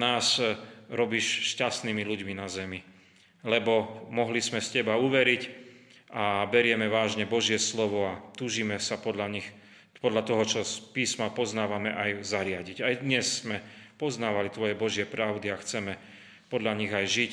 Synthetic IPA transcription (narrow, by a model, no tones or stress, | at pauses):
naːsɾɔbiːʃʃcast̪niːmiluɟminazɛmi | lɛbɔmɔɦlismɛscɛbauʋɛɾic | abɛɾɪɛmɛʋaːʒɲɛbɔʒɪɛslɔʋɔat̪uːʒiːmɛsapɔd̪aɲix | pɔd̪ʎat̪ɔɦɔt͡ʃɔspiːsmapɔznaːʋamɛʔajzaɾɪaɟiɟajd̪ɲɛsːmɛpɔznaːʋalit̪ʋɔjɛbɔʒɪɛpɾaʊd̪iaxt͡sɛmɛ | pɔd̪ʎaɲiɣajʒic